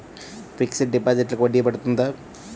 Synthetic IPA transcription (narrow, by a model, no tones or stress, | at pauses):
pʰiksiʈɖipaːd͡ʒiʈlɐkʋɐɖːiɡɐpɐɽut̪und̪aː